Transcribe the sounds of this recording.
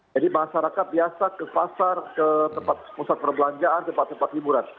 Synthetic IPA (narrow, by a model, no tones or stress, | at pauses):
d͡ʒadimaʃaɾakat̪̚biasakəpasarkət̪əmpat̪̚pusat̪̚pərbəlaɲd͡ʒaʔant̪əmpat̪ːəmpat̪ːibuɾan